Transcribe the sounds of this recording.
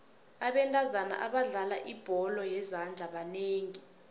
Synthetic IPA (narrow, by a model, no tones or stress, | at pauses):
aɓɛntʼazana̰ʔaɓaɮalaʔib̥ʱɔlɔjɛzand͡ɮʱaɓaneːŋi